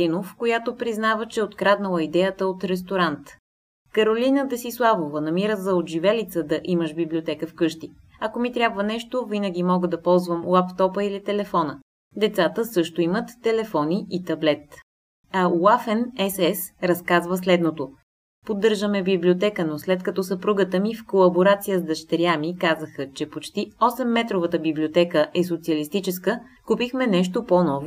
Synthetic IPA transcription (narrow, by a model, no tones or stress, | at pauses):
inofkojat̪opɾiznavət͡ʃɛot̪kɾad̪nəlˠəid̪ɛjət̪əot̪ɾɛs̬t̪oɾant̪ | kɐɾolinəd̪əsislˠavovənɐmiɾəzɐod̪ʒivɛlit̪səd̪ɐʔiməʃbiblʲiot̪ɛkəfkɤʃt̪i | ɐkomit̪ɾʲabvənɛʃt̪ovinəɡ̟imɔɡəd̪ɐpɔlˠzvəmlˠapt̪ɔpəilit̪ɛlɛfɔnə | d̪ɛt̪sat̪əsɤʃt̪oimət̪ːɛlɛfɔniʔit̪ɐblɛt̪ | ɐlafɛnɛsɛsɾɐskazvəslɛd̪not̪o | pod̪ːɤɾʒəmɛbiblʲiot̪ɛkənoslɛt̪kɐt̪ɔsəpɾuɡət̪əmifkolˠɐboɾat̪sijəzd̪ɐʃt̪ɛɾjamikazəxət͡ʃɛpot͡ʃt̪iɔsɛmːɛt̪ɾovət̪əbiblʲiot̪ɛkəʔɛs̬ot̪siɐlist̪it͡ʃɛskə | kupixmɛnɛʃt̪oponɔvo